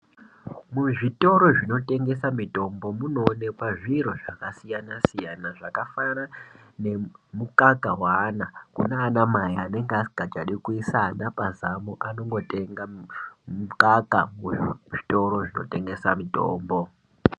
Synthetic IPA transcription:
muʐito̞ɾo̞ʐino̞te̞ŋɡe̞samito̞mbomuno̞ːnepaʐiɾo̞ʐakasijanasijanaʐakafaɾa | ne̞mukakawaːnakunaːnamajaane̞ŋɡasiɡʱat͡ʃaɗikuisanapazamuʔano̞ŋɡo̞te̞ŋɡamukakamuʐi̥to̞ɾo̞ʐino̞̰te̞ŋɡe̞sa̰mito̰ːmbo̞

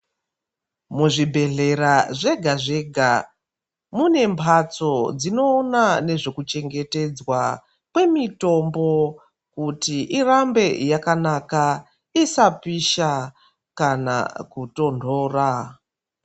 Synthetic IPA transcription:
muʐibʱe̞ɮe̞ɾaʐe̞ɡʱaʐe̞ɡʱa | mune̞mpʰat͡so̞d͡zino̞ːnane̞ʐe̞kut͡ʃe̞ŋɡe̞te̞d͡zwa | kwe̞mito̞mbo̞ | kutiʔirambe̞jakanaka | isapiʃa | kana̰kuto̞ndʱo̞ːra

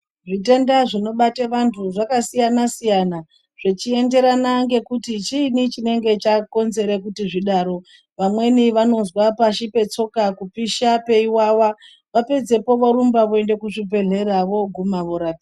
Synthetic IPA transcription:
ʐit̬e̞ndaʐino̞ɓateʋantʰuʐakasijanasijana | ʐ̥et͡ʃie̞nde̞ɾanaŋɡe̞kutit͡ʃiːnit͡ʃine̞ŋɡe̞t͡ʃako̞nze̞ɾekutiʐiɗaːɾo̞ | ʋamwe̞niʋano̞zwapaʃipe̞t͡so̞kakupiʃape̞iwawa | ʋape̞d͡ze̞po̞ʋoɾumbaʋoe̞nde̞kuʐibʱe̞ɮe̞ɾaʋo̞ɡʱumaʋoɾaːpi

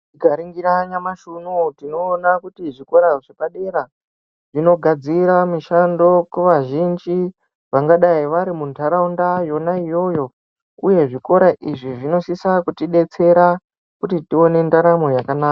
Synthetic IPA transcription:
iɡʱaɾiŋɡiɾaɲamaʃunutino̞ːnakutiʐiko̞ɾaʐepaɗe̞ɾa | ʐ̥ino̞ɡʱad͡ziɾamiʃando̞kuʋaʒind͡ʒi | ʋaŋɡaɗaiʋaɾimuntʰaɾaundajo̞naijo̞jo̞ | uje̞ʐiko̞ɾaʔiʐiʐino̞sisakutiɗe̞t͡se̞ɾa | kutitio̞nendaɾamojakanaːka

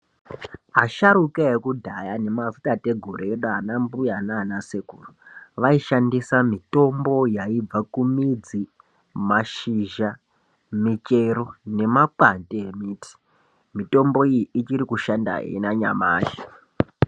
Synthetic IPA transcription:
ɦaʃaɾukeekudʱajane̞mavutate̞ɡʱoɾeeɗaɦanambujananasekuruʋaiʃandisamito̞mbo̞jaib͡vakumid͡zi | maʃiʒa | mit͡ʃeɾo̞ne̞maǃanteemiːtʰi̥ | mito̞mbo̞ijiʔit͡ʃiɾikuʃanda̰ɦḛinaɲa̰ma̰ːʒi

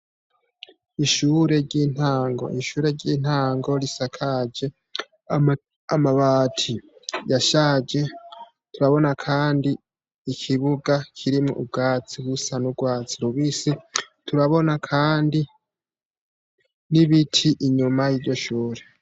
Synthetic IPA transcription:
iʃuɾe̞ɾɟiːn̥haːŋɡo̞̰ʔiʃuːɾe̞ɾɟiːn̥haːŋɡo̞ɾisakʰad͡ʒe̞ | amaβatʰijaʃaːd͡ʒe̞ | tuɾaβo̞nakʰaːndiː | kʰiβuɡakʰiɾimŋuʔub̚ɡaːt͡siβusanuɡwaːt͡siɾuβisi | tuɾaβo̞nakʰaːndi | niβitʰiʔiɲumajiːɾɟo̞ʃuːɾe̞

